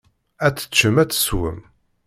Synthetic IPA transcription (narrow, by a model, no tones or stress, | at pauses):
æt͡sːə̥t͡ʃːəmæt͡sːə̥swə̰m